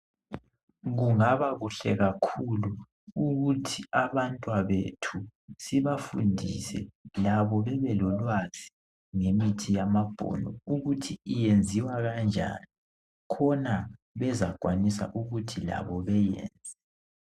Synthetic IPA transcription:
ɣuŋaβaɣuɬɛɣakʰulu | uɣutʰiaβantʼwaβetʰusiβafundʱisɛ̰laβɔβɛβɛlɔlwaz̥i | ŋemitʰijamab̥ʱɔ̰nɔuɣutʰiijend͡zʱiwaɣand͡ʒʱa̰ni | kʰɔna | βɛzaɡ̥ʱwanisa̰ʔuɣutʰila̰βɔβɛjɛ̰ːnd͡zʱɛ

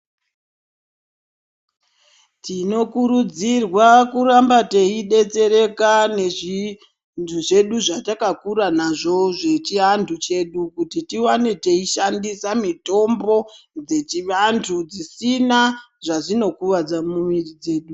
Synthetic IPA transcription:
tino̞kuɾud͡zirwakuɾambateiɗe̞t͡se̞ɾe̞kaneʐi | nduʐe̞ɗuʐatakakuɾanaʐo̞ʐe̞t͡ʃiɦandʰut͡ʃe̞ɗukutitiwanete̞iʃandisamito̞mbo̞ | d͡ze̞t͡ʃiʋantʰud͡zisina | ʐaʐino̞kuʋad͡zamumirid͡ze̞ːɗu

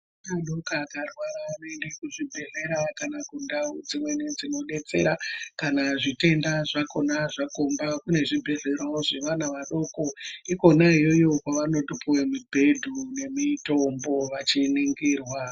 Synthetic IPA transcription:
maɗokakarwaɾaːnoendekuʐibʱe̞ɮe̞ɾakanakundaud͡zimwe̞nid͡zino̞ɗe̞t͡se̞̰ɾakanaʐite̞ndaʐako̞naʐakombakune̞ʐibʱe̞ɮe̞ɾawoʐeʋanaʋaɗo̞ko̞iko̞naijo̞jo̞kwaʋano̞ɗupuwemubʱe̞dʱune̞mito̞mbo̞ʋat͡ʃiniŋɡiːrwa

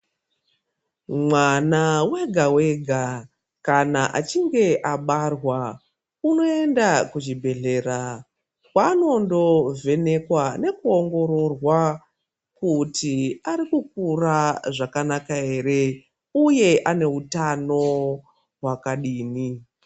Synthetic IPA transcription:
mwanawe̞ɡʱawe̞ɡʱa | kanaʔa̰t͡ʃiŋɡe̞ʔaɓarwa | uno̞e̞ndakuʒibʱe̞ɮe̞ɾa | kwano̞ndo̞ve̞ne̞kwane̞kuoŋɡo̞ɾo̞rwa | kutiaɾikuk̚uraʐakanakaɦe̞re̞ | uje̞ʔane̞utano̞ | ɦwakaɗiːni

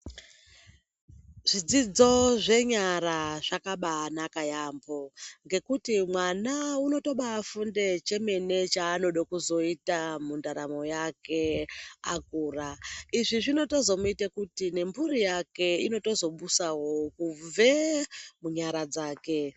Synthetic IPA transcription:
ʐ̥id͡zid͡zo̞ʐe̞ɲaɾaʐ̥akaɓanakajaːmbo̞ŋɡe̞kutimwanauno̞to̞ɓaːfundet͡ʃe̞me̞ne̞t͡ʃaːno̞ɗokuzo̞itamundaɾamo̞jake̞akuːraiʐiʐino̞to̞zo̞muitakutine̞mbuɾijake̞ino̞to̞zo̞ɓusawo̞kub͡vemuɲaɾad͡zaːke̞

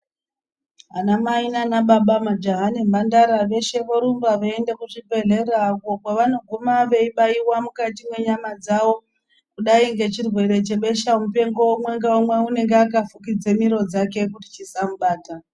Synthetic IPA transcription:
ɦanamainanaɓaɓamad͡ʒaɦanembandaɾaʋe̞ʃe̞ʋoɾumbaʋeendekuʐibʱe̞ɮerakokwaʋano̞ɡʱumaʋe̞iɓaiwamukatimwe̞ɲamad͡zawo̞ | kuɗaiŋɡe̞t͡ʃirwe̞ɾe̞t͡ʃe̞ɓe̞ʃamupe̞ŋɡo̞womweŋɡaomweune̞ŋɡeakafukid͡ze̞miɾo̞d͡zake̞k̬uti̥t͡ʃisamuɓaːta

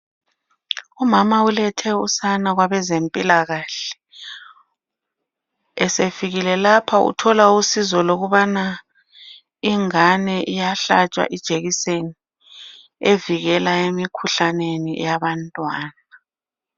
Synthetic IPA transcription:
umamaulɛtʰɛusanaɣwaβɛzempʼilaɣaɬɛ̥ | ɛsefiɣilɛlapʰaṵtʰɔlausizɔloɣuβana | iŋanɛʔijaɬat͡ʃʼwa̰ʔid̥ʒ̥ʱeɣiseni | eviɣɛlaemikʰuɬanenijaβantʼwaːna

